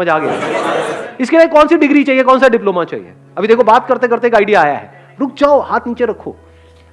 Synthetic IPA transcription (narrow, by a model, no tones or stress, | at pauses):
əd͡ʒaːɡɐja̰ | ɪskelaːekɔːnsiɖɪɡɾit͡ʃaːɦiekɔːnsaɖɪploːmat͡ʃa̰ːɦḭḛ | ɐbʱid̪eːkʰobaːt̪̚kɐɾt̪ekɐɾt̪eeːkaːɪɖijaːja̰ɦɛ̰ː | ɾʊk̚ʰd͡ʒaːohaːt̪ʰniːt͡ʃeɾɐkʰːo̰ː